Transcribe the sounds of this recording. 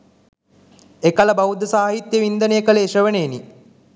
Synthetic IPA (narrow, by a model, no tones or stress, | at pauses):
ekaləbaʋud̪ːəsaːɦit̪jəʋind̪ənejəkəleːʂəʋəneni